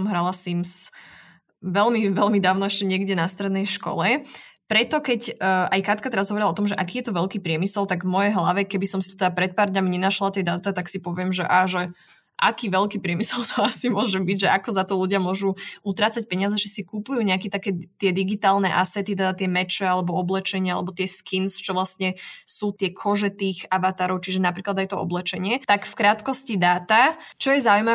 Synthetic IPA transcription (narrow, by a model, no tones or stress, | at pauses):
mɦɾalasims | ʋɛlmiʋɛlmid̪aːʊnɔɛʃcɛɲɪɛɡɟɛnast̪ɾɛd̪nɛjʃkɔ̰lɛpɾɛt̪ɔkɛcːajkat̪kat̪ɛɾazɦɔʋɔɾilaɔt̪ɔmʒɛʔakiːjɛt̪ɔʋɛʎkiːpɾɪɛmisɛlt̪aɡvmɔjɛɦlaʋɛkɛbisɔmsit̪ɔt̪ɛd̪apɾɛt̪̚paːɾd̪ɲamiɲɛnaʃlat̪ɛjd̪at̪at̪aksipɔʋɪɛmʒɛʔaːʒɛ | ʔa̰kiːʋɛʎkiːpɾɪɛmisɛlt̪ɔasimʊɔʒɛbiɟʒɛʔakɔzat̪ɔluɟɪamʊɔʒuut̪ɾaːt͡sac̚pɛɲɪazɛʒɛsikupujuːɲɛakɛt̪akɛːt̪ɪɛd̪iɡit̪aːlnɛʔasɛt̪it̪ɛd̪at̪ɪɛmɛt͡ʃɛalɛbɔɔblɛt͡ʃɛɲɪaalɛbɔt̪ɪɛskʰinst͡ʃɔʋlasɲɛsuːt̪ɪɛkʰɔʒɛt̪iːxaʋat̪aːɾɔʊt͡ʃiʒɛnapɾiːklad̪ajt̪ɔɔ̰blɛt͡ʃɛɲɪɛt̪akfkɾaːt̪kɔscid̪aːt̪at͡ʃɔjɛzaujma